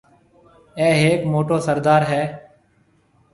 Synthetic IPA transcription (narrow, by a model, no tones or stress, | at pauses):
ɛːɦeːkmoːʈoːsəɾd̪aːɾɦɛː